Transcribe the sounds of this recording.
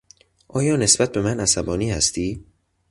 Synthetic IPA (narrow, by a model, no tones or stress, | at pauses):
ʔɒːjɒːne̞sbæt̪̚be̞mænæsæbɒːniːhæst̪ʰiː